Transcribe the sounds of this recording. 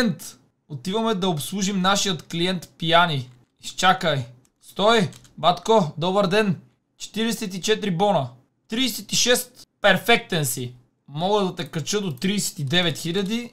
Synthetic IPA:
nt̪ | ot̪ivɐmɛd̪ɐopslˠuʒimnaʃijət̪kliɛnt̪pijani | ist͡ʃakəj | st̪ɔi | bat̪kod̪ɔbəɾd̪ɛn | t͡ʃɛ̥t̪iɾɛsɛt̪̬it͡ʃɛt̪ɾibɔnə | t̪ɾiːsɛt̪iʃɛst̪pɛɾfɛk̚t̪ɛnsi | mɔɡəd̪ɐt̪ɛkɾɐt͡ʃɤd̪ot̪ɾiːsɛ̥t̪id̪ɛvɛt̪xilʲɐd̪i

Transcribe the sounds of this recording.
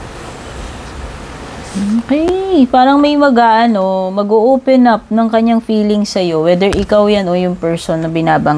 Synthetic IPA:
ʔoːkɛpaːɾɐŋmɐjmɐɡaʔɐno̞mɐɡoʔoːpɛnap̚nɐŋkɐɲːaŋfiːlɪŋsɐjo̞wɛːd̪ɛɹʔɪkawjanʔo̞jʊŋpɛɹsonːɐbɪnaːbɐŋ

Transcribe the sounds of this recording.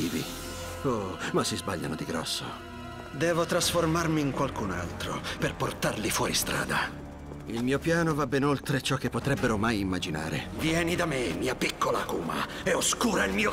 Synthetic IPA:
iːvḭ | omasːizbaʎːa̰nod̪iɡɾɔ̰sːo̰ | d̪ɛːvot̪ɾasformarmiŋkwalkunalt̪ɾo̰perport̪arlifwɔːɾist̪ɾa̰ːd̪a | ilmiːopjaːnovabːɛnolt̪ɾet͡ʃɔkːepːot̪ɾɛbːeɾomajimːad͡ʒina̰ːɾḛvjɛːnid̪amemiːapikʰːolakuːma̰ | eoskuːɾailmiːo

